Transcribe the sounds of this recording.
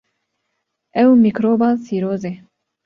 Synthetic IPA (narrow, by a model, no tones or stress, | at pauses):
ɛwmikɾoːbasiɾoːze